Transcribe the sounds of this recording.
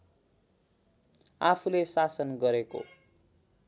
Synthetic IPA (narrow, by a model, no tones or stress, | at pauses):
apʰulesasʌnɡʌɾeko̰